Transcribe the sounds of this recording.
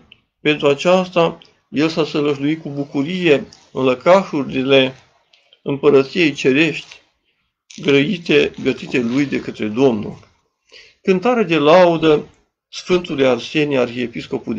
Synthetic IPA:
pe̞nt̪ɾuat͡ʃast̪a | je̞lsasələʒluit̪̚kubukuɾije̞ | ɨnləkaʃurʲile̞ | ɨmpəɾət̪sije̞jt͡ʃe̞ɾe̞ʃt̪ʲ | ɡɾəit̪e̞ɡət̪it̪e̞lujd̪e̞kət̪ɾe̞d̪o̞mnṵl | kɨnt̪aɾed̪e̞laud̪ə | sfɨnt̪ulearsenʲarçiepisko̞pu

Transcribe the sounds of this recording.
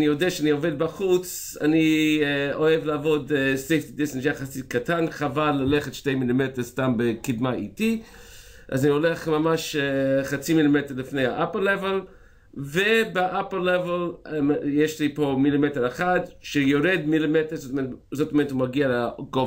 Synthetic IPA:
nijodeaʃanioved̚baχut͡s | a̰ni | oevleavodsejftidisntjaχasikatʰanχavalːaleχetʃtejmilimetestambekidmaḭti | ʔazanioleχmamaʃχat͡similimeteɾlifnejhaʔaplːevel | vebeʔaplːeveljeʃlipomilimeteɾeχadʃejoɾedmilimeteɾzotzotomeətumaɡialeɡo

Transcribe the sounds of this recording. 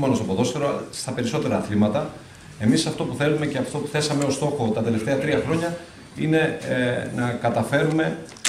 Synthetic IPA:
monost̪o̞poðo̞st̪eɾost̪ɐpe̞ɾiso̞t̪e̞ɾɐːθlimɐt̪ɐ | e̞misɐft̪o̞puθe̞lume̞ceɐft̪o̞puθe̞sɐme̞o̞st̪o̞xo̞t̪ɐt̪e̞le̞ft̪e̞ɐt̪ɾiɐxɾo̞ɲɐ | ine̞nɐkɐt̪ɐfe̞ɾume̞

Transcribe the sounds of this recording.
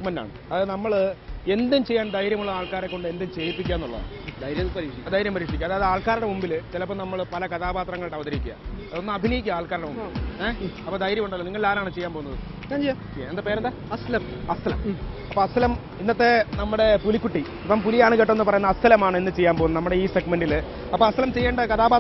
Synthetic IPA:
kmɐnda̰ːɳɨ | ɐðɨnɐmːɐɭe̞nd̪umt͡ɕe̞jːaːnd̪ɐjɾjɐmuɭɐaːɭkaːɾekːo̞ɳɖɨe̞nd̪umt͡ɕe̞ːjipːikʲːaːenːuɭːɐ̰ð̰ | d̪jɾɐɾiːʂiɐd̪aːjiɾjɐmpɐɾiːʂikʲːumɐðaːðɨaːɭkaːɾuɽɐmumbilt͡ɕelɐpːomnɐmːɐɭpɐlɐkɐt̪ʰaːbaːt̪rɐŋːɐɭʈːeɐʋɐd̪ɐɾikʲːuɐ̰ðonːɨɐbʱinɐjikʲːuaːɭkaːɾuɽemumibieɐpːoːd̪ɐjɾjɐmuɳɖaðloniŋːɐɭilaːɾaːɳɨt͡ɕejːaːnpoːunːɐðɨ | kːaːɲt͡ɕejaː | nd̪ɐpe̞ːɾɐnd̪a | ɐst̪lɐmɐst̪ɐlɐ̰mɐpːoːɐst̪ʰːɐlɐm | inːɐt̪ːe̞nɐmːuɽe̞pulikʲːuʈːi | pːɐmpulijaːɳɨkeʈːomenːɨpɐrɐjunːɐst̪ʰɐlɐmaːɳɨenːɨt͡ɕe̞jːaːmpoːunːɐnɐmːuɽe̞iːse̞ɡmeɳɖil | ɐpːoːɐst̪ʰɐlɐmt͡ɕe̞jːeːɳɖɐkɐt̪ʰaːbaːt̪

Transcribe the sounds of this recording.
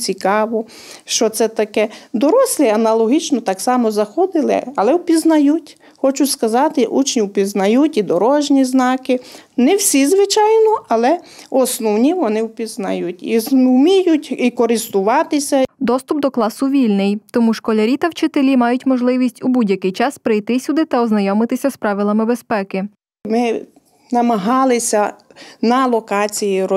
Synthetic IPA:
t͡sʲikɑʋɔ | ʃt͡ʃɔt̪sɛt̪ɐkɛd̪ɔɾɔsʲlʲˠiɐnɐlˠɔɦit͡ʃnɔt̪ɑksɑmɔzɐxɔd̪ɪlˠɪ̰ɐlˠɛwpʲiznɐjutʲ | xɔt͡ʃʊskɐzɑt̪ɪʔṵt͡ʃnʲiwpʲiznɐjutʲid̪ɔɾɔʒnʲiznɑkɪnɛwsʲizʋɪt͡ʃɑjnɔɐlˠɛɔsnɔwnʲiʋɔnɪwpʲiznɐ̰jutʲizumʲijʊtʲikɔɾɪst̪ʊʋɑt̪ɪsʲɐd̪ɔst̪ʊp̚d̪ɔklˠɑsʊʋʲilʲnɪjt̪ɔmuʃkɔlʲɐɾʲit̪ɐwt͡ʃɪt̪elʲimɑjʊtʲmɔʒlˠɪʋʲisʲtʲubudʲjɐkɪjt͡ʃɑspɾɪjt̪ɪsʲud̪ɪt̪ɐɔznɐjɔmɪt̪ɪsʲɐspɾɑʋʲilˠɐmɪbespɛkɪ | mɪ | nɐmɐɦɑlˠɪsʲɐnɐlˠɔkɑt͡sʲijiɾɔ

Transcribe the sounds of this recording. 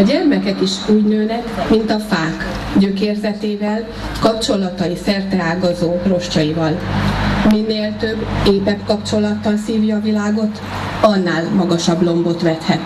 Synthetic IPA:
ɒɟɛrmɛkɛkiʃuːɟnøːnɛkmint̪ɒfaːk | ɟøkeːrzɛt̪eːvɛl | kɒpt͡ʃo̞lːɒt̪ɒjisɛrt̪ɛaːɡɒzoːro̞ʃcɒjivɒl | minːeːlt̪ø̞bːeːpɛpkɒpt͡ʃo̞lɒt̪ːɒnsiːvjɒvilaːɡo̞t̪ | ɒnːaːlmɒɡɒʃɒblo̞mbot̪ʋɛt̪hɛt̪

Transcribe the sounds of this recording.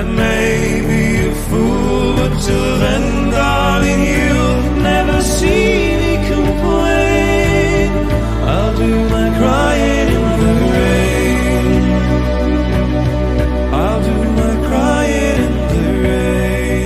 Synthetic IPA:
ɨt̚meɪɪ | bi | ɨfu | lˠ | tɨ | vɨ̃n | ɡɑ | ɾɪ̃njʉ | nɛvə˞si | nikʰə̃mpʰlẽɪ | n | ʔa̰ɪlˠdɨmaɪkʰɹ̥aɪɪ̃nɪ̃nðɨ | ɹe | ɪ | aɪlˠdɨmaɪkʰɹ̥aɪɪ̃ | ɪ̃nðɨɹ | eɪɪ

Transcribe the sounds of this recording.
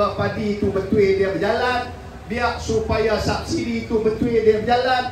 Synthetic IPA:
apadiːt̪ubənt̪uediak̚d͡ʒalan | biak̚supajasak̚siɾiːt̪ubənt̪uediabəd͡ʒalan

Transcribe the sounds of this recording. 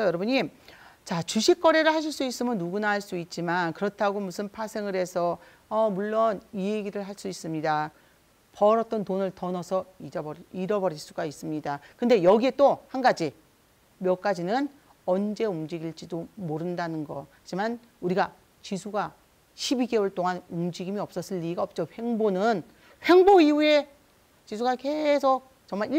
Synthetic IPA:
jʌɾʌbuɲit͡ɕat͡ɕuɕʰik͈̚ʌɾe̞ɾɯɭhaɕ̬ʰiɭs͈uis͈ɯmɯnːuɡunahaɭs͈uit̚t͡ɕ͈imankɯɾʌtʰaɡomusʰɯnpʰasʰe̞ŋɯɾe̞sʰʌ | ʌmuɭːʌnieɡiɾɯɭɦaɭs͈uis͈ɯmɲida | pʌɾʌt̚t͈ʌntonɯɭtʌnʌsʰʌiʌbʌɾiɾʌbʌɾiɭs͈uɡais͈ɯmɲidakɯnde̞jʌɡie̞t͈ohanɡad͡ʑi | mjʌk͈ad͡ʑinɯn | ʌnd͡ʑe̞umd͡ʑiɡiɭt͡ɕ͈idomoɾɯndanɯnɡʌhad͡ʑiman | uɾiɡa | t͡ɕisʰuɡa | ɕʰibiɡe̞wʌɭt͈oŋanumd͡ʑiɡimiʌp̚s͈ʌs͈ʰɯɭːiiɡaʌp̚t͡ɕ͈oɸe̞ŋbonɯn | ɸe̞ŋboiue̞ | t͡ɕisʰuɡake̞sʰok̚ | t͡ɕʌŋmaɭi

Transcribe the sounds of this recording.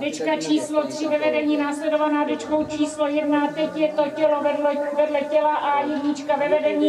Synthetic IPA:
dɛt͡ʃkat͡ʃiːslot̪r̝̥ɪvɛvɛdɛɲiːnaːslɛdovanaːdɛt͡ʃko̞wt͡ʃʰiːslojɛdnat̪ɛcjɛt̪o̞cɛloɛvɛdlɛcɛlaʔajɛdɲit͡ʃkavɛvɛdɛɲiː

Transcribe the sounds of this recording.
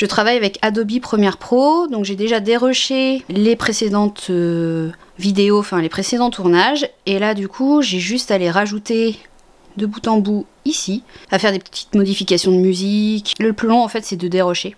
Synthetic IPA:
ʒ̥ət̪χavajavɛkad̪ɔbipχəmjɛʁpχod̪ɔ̃kʒed̪eʒad̪eʁɔʃelepχesed̪ɑ̃t̪ø | vid̪eoɑfɛ̃lepχesed̪ɑ̃t̪uʁnaʒelad̪ykʰuʒɛʒyst̪aleʁaʒut̪e | d̪əbut̪ɑ̃bu | isiafɛʁd̪epət̪ʰi̥t̪mɔd̪ifikʲasjɔ̃d̪əmyzikləplylɔ̃ɑ̃fɛt̪sɛd̪əd̪eʁɔʃe

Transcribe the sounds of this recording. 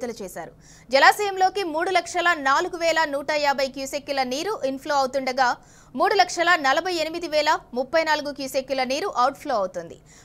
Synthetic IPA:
t̪ɐlut͡ʃɛːsa̰ːɾu | d͡ʒɐlaːsiːjɐmlo̞ːkimuːɽulɐkʂɐlɐnaːluɡuʋɛːlɐnuːʈɐjaːbʱɐjkjuːsekːjulɐniːɾuʔinpʰloːɐwut̪uɳɖɐɡaː | muːɽulɐkʂɐlɐnɐlɐbʱɐjenimid̪iʋɛːlɐmupːɐjnaːluɡukjuːsekjulɐniːɾuʔɐwʈ̚pʰlo̞ːɐwut̪und̪ḭ

